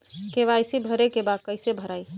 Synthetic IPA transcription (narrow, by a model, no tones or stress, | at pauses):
keβajsibʱəɾekebakəjsebʱəɾaj